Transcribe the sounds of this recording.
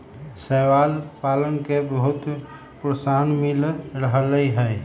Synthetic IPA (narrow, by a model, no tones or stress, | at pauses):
sɛʋaːlpaːlənkebəɦʊt̪ | pɾəsaːnmɪlɾəɦləiɦɛː